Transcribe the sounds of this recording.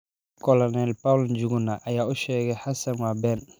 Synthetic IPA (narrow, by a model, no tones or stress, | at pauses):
kɔlɔnɛlpawld͡ʒuɡʊnaʔɐjaːʊʃɛːɣɛħasɐnwaːbɛn